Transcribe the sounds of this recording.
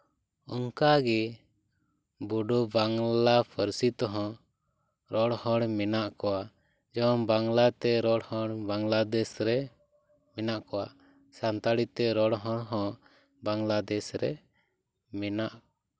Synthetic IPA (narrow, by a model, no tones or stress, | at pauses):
ɔŋkaɡɛ | buɖɔbaŋlapʰəɾsit̪ɔɦɔ̃ | ɾɔɽhɔ̃ɽmɛnaʔkɔwa | d͡ʒɔmbaŋlat̪ɛɾɔɽhɔ̃ɽbaŋlad̪ɛsɾɛ | mɛnaʔkɔwa̰ | sant̪aɽit̪ɛɾɔɽɦɔ̃ɽɦɔ̃ | baŋɡlad̪ɛsɾɛ | mɛnaʔ